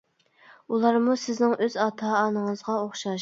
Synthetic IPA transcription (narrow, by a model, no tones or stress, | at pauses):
ulˠɑɾmusɪznɪŋʔøzɑːt̪ʰɑːnəŋəzʁɑoχʃɑʃ